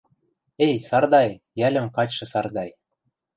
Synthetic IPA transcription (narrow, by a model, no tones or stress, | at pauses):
ejsɑrd̪ɑj | jælʲə̆mkɑt͡ɕʃɤ̆sɑrd̪ɑj